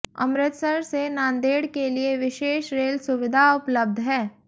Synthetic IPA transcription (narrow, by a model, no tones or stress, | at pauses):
ɐ̰mɾɪt̪səɾsenãːnd̪eːɽkelieʋɪʃeːʃɾeːlsʊʋɪd̪ʱaʊpləb̚d̪ʱɦɛː